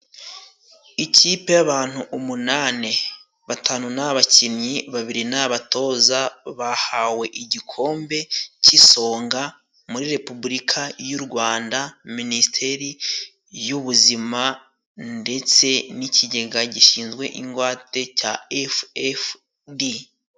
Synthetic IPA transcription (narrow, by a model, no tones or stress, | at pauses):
iciːpe̞jaβaːn̥huʔumunane̞ | βatʰaːnunaβacimɲiβaβiɾinaβato̞ːzaβahawe̞ʔiɟikʰo̞ːmbe̞ciso̞ːŋɡa | muɾiɾe̞pubuɾikʰajuɾɡwaːndaministʰe̞ɾi | juβuzima | nde̞t͡se̞niciɟe̞ɡaɟiʃiːnzɡwe̞̰ʔiŋɡwaːte̞caefef | di